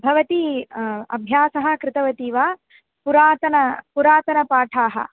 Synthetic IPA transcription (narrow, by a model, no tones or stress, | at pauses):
bʱɐʋɐt̪iɐ̰bʱjaːsɐɦɐ̆kɾɪt̪ɐʋɐt̪iːʋaː | puɾaːt̪ɐnɐpuɾaːt̪ɐnɐpaːʈʰaːɦɐ̰̆